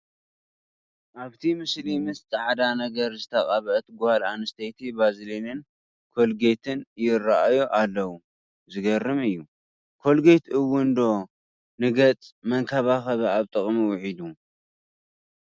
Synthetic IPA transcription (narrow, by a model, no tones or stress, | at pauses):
ʔaβt̪ʰimɨslimɨst͡sʼaʕd̪anɐɡɐɾzɨt̪ʰɐqʼaβʔɐt̪ɡuhalanɨst̪ʰet̪ʰibazlenɨn | kʰo̞lɡet̪ʰɨnjɪraʔajoʔalːɐwu | zɨɡɐrːɨmɨjːu | kʰo̞lɡejt̪ʔɨwʊnd̪o̞ | nɨɡɐt͡sʼmɐŋkʰɐβaxɐβɐaβt̪ʼɨχʼmiwʊħid̪u